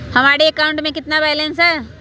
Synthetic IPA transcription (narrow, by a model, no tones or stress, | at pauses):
hɐmaːɾeekaːʊ̃ɳʈmẽkɪt̪nabɛːlẽnsɛ